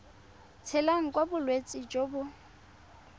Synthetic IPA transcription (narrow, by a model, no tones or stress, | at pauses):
t͡sʰɛlaŋ̩kʼwabʊlwet͡sʼɪd͡ʒobʊ